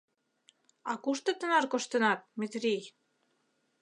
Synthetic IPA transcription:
ɑkuʃt̪ə̆t̪ə̆nɑrkoʃt̪ə̆nɑt̪̚met̪rij

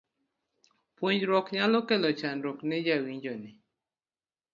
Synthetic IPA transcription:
pwuɲd͡ʒɾɔkɲalokɛlɔt͡ʃanɾɔknɪd͡ʒawiɲd͡ʒɔnɪ

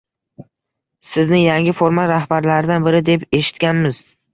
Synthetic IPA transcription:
sɪznɪjaŋʲɪfoɾmaɾahbaɾlaɾɪd̪anbɪɾɪd̪e̞pe̞ʃɪ̥t̪kʲanmɪz

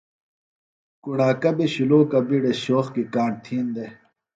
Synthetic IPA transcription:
kuɳaːkɐbiɕuloːkɐbiɽeɕoːxkikaːɳt̪ʰiːnd̪e

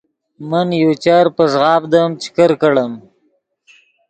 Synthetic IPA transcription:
mənjot͡ʃaɾpəʐɣɑbd̪əmt͡ʃɪ̥kəɾkəɽəm

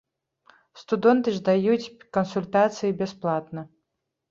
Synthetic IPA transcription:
st̪ud̪ɛnt̪ɨʐd̪ajut͡sʲkɐnsulʲt̪at̪sɨjibʲɛsplˠat̪nɐ

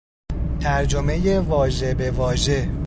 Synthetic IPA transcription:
t̪ʰæɾd͡ʒome̞jevɒːʒe̞be̞vɒːʒe̞

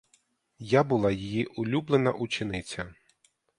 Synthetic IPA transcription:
jabʊlˠɑjijiʔʊlʲublˠenɐʔut͡ʃɪnɪt͡sʲɐ

